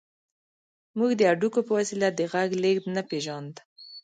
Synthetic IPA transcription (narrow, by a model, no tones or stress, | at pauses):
muɡd̪əaɖukopəwasilad̪əɣaɡleɡd̪napeʒɑnd̪